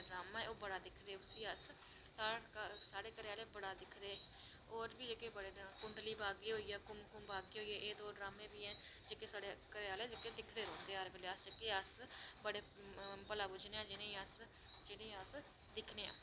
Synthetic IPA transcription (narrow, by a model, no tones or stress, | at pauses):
ɖɾaːmãːɛːoːbəɽaːd̪ɪkʰd̪eːʊsiːəs | sasaːɽeːkəɾeːaːleːbəɽaːd̪ɪkʰd̪eː | oːɾbiːd͡ʒeːkeːbəɽeːkʊɳɖliːbaːɡiːɦoːiːɛːkʊmkʊmbaːɡiːɦoːiːɛːʔeːd̪oːɖɾaːmẽːbiːɛ̃ː | d͡ʒeːkeːsaːɽekəɾeːaːleːd͡ʒekeːd̪ɪkʰd̪eːɾõːnd̪eːɾʋeːleːəsd͡ʒekeːəsbəɽeːpəlaːbʊd͡ʒneːãːd͡ʒɪnẽːəs | d͡ʒɪnẽːəs | d̪ɪkʰneːã̰ː